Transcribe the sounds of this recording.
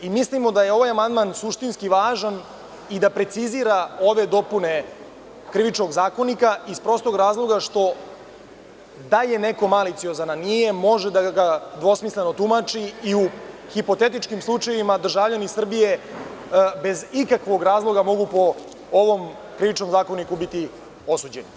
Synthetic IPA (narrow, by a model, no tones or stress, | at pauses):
imislimo̞d̪ajeo̞ʋajamand̪maːnsuʃt̪inskiʋaːʒan | id̪apɾe̞t̪siziɾao̞ʋe̞d̪o̞pune̞ | kɾiʋit͡ʃnoɡzaːko̞nikaispɾo̞st̪o̞ɡɾaːzlˠo̞ɡaʃt̪o̞ | d̪aje̞ne̞ko̞malit̪sio̞zananije̞mo̞ʒed̪aɡad̪ʋo̞smisleno̞t̪umat͡ʃiiuxipo̞t̪e̞t̪it͡ʃkimslˠut͡ʃajeʋimad̪r̩ʒavʎanisr̩bije̞ | be̞zikakʋo̞ɡɾaːzlˠo̞ɡamo̞ɡupo̞ | oʋo̞m | kɾiʋit͡ʃno̞mzaːko̞nikubit̪i | o̞suːd͡ʑeni